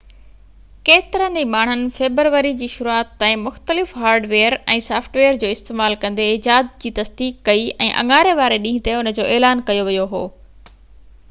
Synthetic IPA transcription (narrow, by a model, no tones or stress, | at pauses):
keːt̪ɪɾəniːmaːɳ̤ənɪ̆feːbɾʋəɾid͡ʑiːʃʊɾuaːt̪ːãːĩmʊxt̪əlɪfɦaːɾɖʋeːəɾɛ̃ːsaːfʰʈʋeːəɾd͡ʑoːɪst̪eːmaːlkɐ̃nd̪ed͡ʑaːd̪̚d͡ʑiːt̪ɐsd̪iːkːɐiɛ̃ːʔɐ̰̃ŋaːɾeʋaːɾeɗĩːɦɪ̃t̪eʊnə̆d͡ʑoːʔeːlaːnkɐjoʋijoɦoː